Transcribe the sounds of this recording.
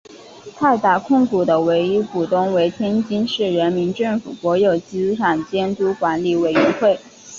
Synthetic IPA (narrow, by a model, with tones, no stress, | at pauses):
t̪ʰa˥˧ɪt̪a˥˩kʰʊ˥˩ŋku˨˩d̪ə˦we˧˥ɪi˥pu˨˩t̪ʊ˥˩ŋwe˧˥ɪt̪ʰjɛ˥nt͡ɕi˥nʂɻ̩˥˩ɻə˧˥nmi˧˥nʈ͡ʂɤ˥˩ŋfu˨˩pwɔ˧˥jo˨˩ʊt͡ɕi˥ʈ͡ʂʰɑ˨˩ŋt͡ɕjɛ˥nt̪u˧˥kwa˧˥nli˨˩we˨˩ɪɥɛ˧˥nxwe˥˩ɪ